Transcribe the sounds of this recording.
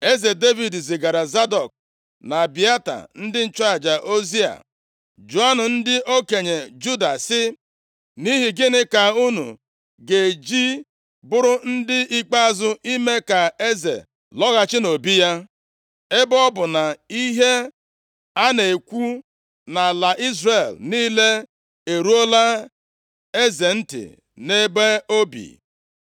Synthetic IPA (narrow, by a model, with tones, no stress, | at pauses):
e˦ze˨de˦vi˨dzɪ˨ɡa˨ɾa˨za˦dɔ˨k̚ | na˨bi˨a˦ta̰˨n̩˦dɪ˦n̩˦t͡ʃa˨d͡ʒa˨ʔo˦zi˦a̰˨ | d͡ʒo˨a˦nʊ˨n̩˦dɪ˦ʔo˦ke˨ɲe˨d͡ʒu˦da˨sɪ˦ | ni˦ɦi˨ɡɪ˦nɪ˦ka˨u˦nṵ˨ | ɡe˨d͡ʒi˦ | bʊ˦ɾʊ˦n̩˦dɪ˦i˦k͡pa˦a˦zʊ˦ʔi˦me˦ka˨e˦zḛ˨ | lɔ˦ɣa˦t͡ʃɪ˦no˨bi˦ja˦ | e˦bɔ˦bʊ˨na˨i˦ɦe˦ | a˦ne˨e˨kʷu˦ | na˨la˨ʔi˦zre˨lniː˦le˦ | e˨ɾu˦o˦la˦ | e˦ze˨n̩˦tɪ̰˨ | ne˦be˦o˦bḭ˨